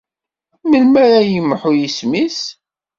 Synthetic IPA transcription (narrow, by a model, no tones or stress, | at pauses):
məlmæɾajəmħʊjismis